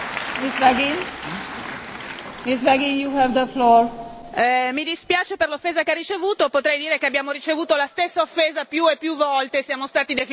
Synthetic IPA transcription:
misvaɡin | misvɛɡĩnjuhɛvd̪əflɔːɹ | mid̪ispjaːt͡ʃeperlofːeːzakearːit͡ʃevuːt̪opot̪ɾɛjd̪iːɾekeabːjaːmoɾit͡ʃevuːt̪olast̪esːaofːeːzapjuepːjuvːɔlt̪esjaːmost̪aːt̪id̪efi

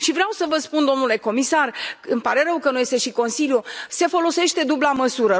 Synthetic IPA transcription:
ʃivɾeawsəvəspund̪o̞mnule̞ko̞misarɨmpaɾe̞ɾəwkənuje̞st̪e̞ʃiko̞nsiljuse̞fo̞lo̞se̞ʃt̪e̞d̪ublaməsuɾə

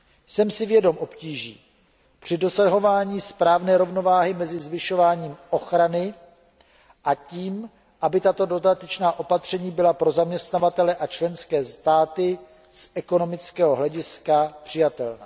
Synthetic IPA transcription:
sɛmsɪvjɛdo̞mʔo̞pciːʒḭː | pr̝̥ɪdo̞saɦo̞vaːɲiːspɾaːvnɛːɾo̞vno̞vaːɦɪmɛzɪzvɪʃo̞vaːɲiːmʔo̞xɾanɪ | ʔaciːm | ʔabɪt̪at̪o̞do̞dat̪ɛt͡ʃnaːʔo̞pat̪r̝̥ɛɲiːbɪlapɾo̞zamɲɛst̪navat̪ɛlɛʔat͡ʃlɛnskɛːst̪aːt̪ɪ | sʔɛko̞no̞mɪt͡skɛːɦo̞ɦlɛɟɪskapr̝̥ɪjat̪ɛlna̰ː

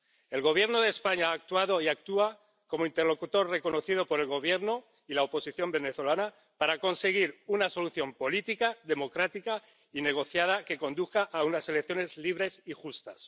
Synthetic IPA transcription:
e̞lɣ̞o̞β̞je̞ɾno̞ðe̞ːspaɲaaːk̚t̪waðo̞iak̚t̪ua | ko̞moint̪eɾlo̞kut̪o̞rre̞ko̞no̞θið̞o̞po̞ɾe̞lɣo̞β̞je̞ɾno̞ | ilaopo̞siθjo̞mbe̞ne̞θo̞lana | paɾako̞nse̞ɣ̞iɾunaso̞luθjo̞mpo̞lit̪ikaðe̞mo̞kɾat̪ika | ine̞ɣ̞o̞θjað̞ake̞ko̞nd̪uθkaʔaunase̞lekθjo̞ne̞zliβ̞ɾe̞sixust̪as

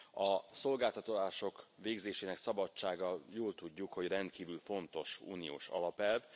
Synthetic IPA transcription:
ɒso̞lɡaːlt̪ɒt̪olaːʃo̞kʋeːɡzeːʃeːnɛksɒbɒt͡ʃːaːɡɒjoːlt̪uɟːukho̞ɟrɛnt̪kiːvylfo̞nt̪o̞ʃṵːnijo̰ːʃɒ̰lɒpɛlv

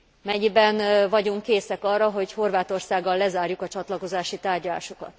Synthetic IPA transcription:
mɛɲibɛnvɒɟuŋkːeːsɛkɒrːɒɦo̞cho̞rvaːt̪o̞rsaːɡːɒlːɛzaːrjukɒt͡ʃɒt̪lɒko̞zaːʃit̪aːrɟɒla̰ːʃo̞kɒ̰t̪

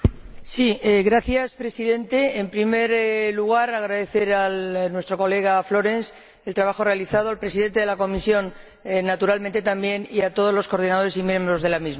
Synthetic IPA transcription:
sieɣɾaθjaspɾe̞siðe̞nt̪e̞ːmpɾime̞ɾluɣ̞aɾaɣɾaðe̞θe̞ɾanwe̞st̪ɾo̞ko̞le̞ɣ̞aflo̞ɾe̞ns | elt̪ɾaβaxo̞re̞aliθað̞oalpɾe̞siðe̞nt̪eelako̞misjo̞nː | at̪uɾalment̪e̞t̪ambje̞niat̪o̞ð̞o̞zlo̞sko̞ɾðinað̞o̞ɾe̞simjeɾmɾo̞zð̞e̞lamizma

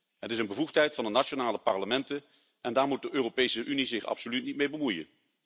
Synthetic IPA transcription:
ɦətɪsənbəvuχtɦɛjtfɑndənat͡ʃonaːləpɑɹləmɛntə | ʔɛndaːɹmut̚dəʔøːropejsəʔynizɪχɑ̰psolytnitmejbəmujə̰n

